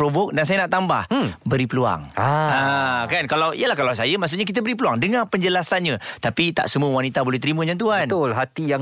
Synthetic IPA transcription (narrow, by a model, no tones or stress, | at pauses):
ɾobok̚dans̬ajanaʔt̪ambahbəɾipəlua̰ŋakankalawʔḭjəlahkalaws̬ajəmaʔs̬uʔɲak̬it̪əbəɾipəluaŋdəŋapəɲd͡ʒəlasanɲãt̪apit̪a̰ʔsəmuəwanit̪abolɛht̪əɾimə̃d͡ʒant̪̬uaənt̪ʊlɦat̪ija